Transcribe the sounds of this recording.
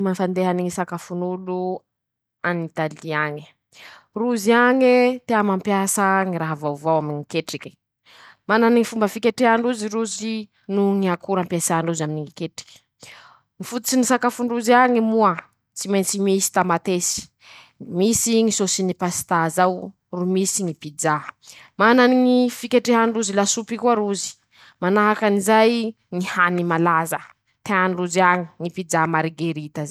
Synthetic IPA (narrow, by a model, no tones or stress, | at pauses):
manfand̪eɦaniŋisakafunulu | anit̪aliaɲi̥ | ruziaɲet̪eamampjasəŋiɾaɦavawvawamiɲikeʈ͡ʂiki̥ | mananiŋifumbəfikeʈ͡ʂeaɳɖ͡ʐuziɾuzi | nuŋiakuɾampjasaɳɖ͡ʐuzaminiŋikeʈ͡ʂi̥kʲ | ŋifut̪ut͡sinisakafuɳɖ͡ʐuziaŋimuə | t͡simajnt͡simisi̥t̪amat̪esi̥ | misiŋisosinipasi̥t̪azaw | rumisiŋipid͡ʒamananiŋifikeʈ͡ʂeɦaɳɖ͡ʐuzilasupikuaɾuzi̥ | manaɦakanizaj | ŋihanimalazə | t̪eaɳɖ͡ʐuziaŋiŋipid͡ʒamaɾiɡeɾit̪aza